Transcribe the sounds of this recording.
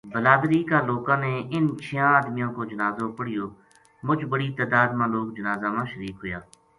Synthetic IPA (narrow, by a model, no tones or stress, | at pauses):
bəlaːd̪ɾiːkaːloːkãːneːɪnt͡ʃʰɪjãːəd̪mɪjõːkoːd͡ʒənaːzõːpəɽɪjoː | mʊd͡ʒbəɽiːt̪ɛːd̪aːd̪mãːloːk̚d͡ʒənaːzaːmãːʃəɾiːkɦʊjaː